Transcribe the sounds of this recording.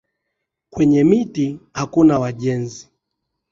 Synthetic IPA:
kwɛɲɛmitihakunawaʄɛnzi

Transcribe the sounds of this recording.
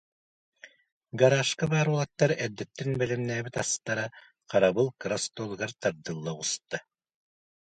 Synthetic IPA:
ɡaɾaːʃkabaːɾulˠat̪ːaɾɛd̪ːɛt̪ːɛnbɛlɛmnæːbit̪ast̪aɾa | qaɾabɯlˠkɾast̪olˠɡaɾt̪aɾd̪ɯlˠːaust̪a

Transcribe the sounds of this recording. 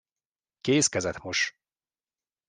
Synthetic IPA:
keːskɛzɛt̪moʃ

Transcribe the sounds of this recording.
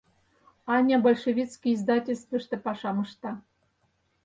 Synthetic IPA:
ɑnʲɑbolʲʃevʲit̪t͡skijizd̪ɑtʲelʲst̪və̆ʃt̪ĕpɑʂɑmɤ̆ʃt̪ɑ

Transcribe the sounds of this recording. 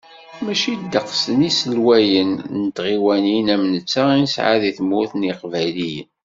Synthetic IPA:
mæʃid̪ːəqsənisəlwæjənnət̪ʁiwæninæmnət͡sːainsʕa̰ðiθmuθniqvæjlijən

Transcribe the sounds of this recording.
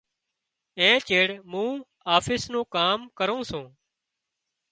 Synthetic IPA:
ẽːt͡ʃeːɽmũː | aːfʰɪsnõːkaːmkəɾõːsũː

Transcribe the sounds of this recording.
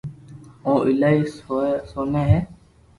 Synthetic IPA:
õːʔɪlaːiːsoːneːɦeː

